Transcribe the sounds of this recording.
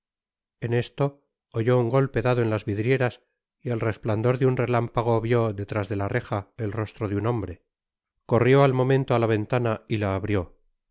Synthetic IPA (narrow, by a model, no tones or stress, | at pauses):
ene̞st̪o̞ː | ʝo̞uŋɡo̞lpe̞ðaðoe̞nlazβiðɾje̞ɾas | ielre̞spland̪o̞ɾðeunre̞lampaɣ̞o̞βjo̞ðe̞t̪ɾazðe̞lare̞xae̞lro̞st̪ɾoðeuno̞mbɾe̞ | ko̞rjo̞almõ̞mẽnt̪oalaβ̞e̞nt̪anailaːβɾjo̞